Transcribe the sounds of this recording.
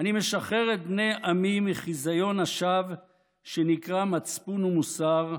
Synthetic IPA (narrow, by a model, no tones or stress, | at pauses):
anime̞ʃaχeʁet̪̚bne̞jʔamimiχizajo̞naʃav | ʃenikʁamat͡spunumusaʁ